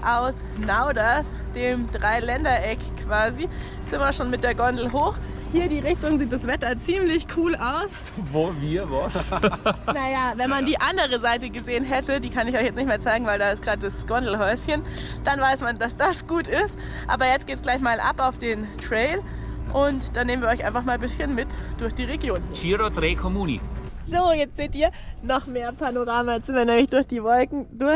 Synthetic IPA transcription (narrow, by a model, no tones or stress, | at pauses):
ʔaʊs | naʊdas | d̥eːmdʁaɪlɛndɐʔɛkkʰv̥aːzit͡sɪmɐʃoːnmɪt̚d̥eːɐɡɔndl̩ɦoːxhiːɐdiːʁɪçtʊŋziːt̚d̥asv̥ɛtɐt͡siːmlɪçkʰuːlaʊs | voviːɐvɔs | najaːvɛnmandiːʔandəʁəzaɪtəɡəzeːənɦɛtədiːkʰanɪçɔʏçjɛt͡snɪçtmeːɐt͡saɪɡŋ̩vaɪldaːɪst̚ɡ̥ʁaːt̚d̥asɡ̥ɔndl̩ɦɔʏsçən | d̥anvaɪsmandasd̥asɡ̥uːtɪst | ʔa̰ːbɐjɛt͡stɡ̥eːtsɡ̥laɪçmaːlʔa̰paʊfd̥eːntʁ̥ɛɪl | ʔʊntd̥aneːmən̩viɐɔʏçʔa̰ɪnfaχmaːlbɪsçənmɪtd̥ʊɐçd̥iːʁeɡjoːnt͡ʃiːɾodʁeːkʰɔmuːnḭz̥oːjɛt͡stz̥eːtiːɐnɔχmeːɐpʰanoʁaːmat͡sɪmɐnɛːmlɪçd̥ʊɐçd̥iːvɔlkŋ̩dʊɐ